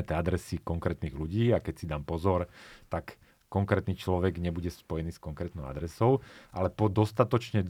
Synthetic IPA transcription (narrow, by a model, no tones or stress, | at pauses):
ɛt̪ɛad̪ɾɛsikɔŋkɾɛːt̪niːɣluɟiːakɛcsid̪ampɔzɔɾt̪akː | ɔŋkɾɛːt̪niːt͡ʃlɔʋɛɡɲɛbuɟɛspɔjɛniːskɔŋkɾɛːt̪nɔʊa̰d̪ɾɛsɔʊʔa̰lɛpɔd̪ɔst̪at̪ɔt͡ʃɲɛ